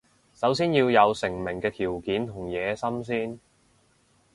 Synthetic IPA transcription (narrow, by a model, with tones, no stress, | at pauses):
sɐ˨˥ws̬iː˥njiː˧wjɐ˨˧wsɪ˨˩ŋmɪ˨˩ŋkɛː˧t̪ʰiː˨˩wkiː˨˥nt̪ʰʊ˨˩ŋjɛː˨˧sɐ˥msiː˥n